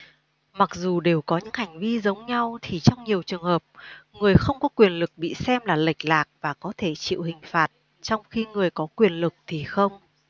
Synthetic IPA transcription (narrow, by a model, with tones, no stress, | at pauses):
ma˨˩k̚zu˨˩ɗe˨˩wkɔ˨˦ɲɨ̰˧˥ŋha˨˩jŋ̟vi˧zə˨˦wŋ͡mɲa˧wt̪ʰi˨˩t͡ɕɔ˧wŋ͡mɲi˨˩əwt͡ɕɨ˨˩əŋhəː˨˩p̚ŋɨ˨˩əjxə˧wŋ͡mkɔ˨˦kwi˨˩ənlɨ˨˩k̚ɓḭ˧˨sɛ˧mlaː˨˩la˨˩jk̟̚laː˨˩k̚vaː˨˩kɔ˨˦t̪ʰe˧˩t͡ɕḭ˧˨whï˨˩ŋ̟faː˨˩t̚ | t͡ɕɔ˧wŋ͡mxi˧ŋɨ˨˩əjkɔ˨˦kwi˨˩ənlɨ˨˩k̚t̪ʰi˨˩xə˧wŋ͡m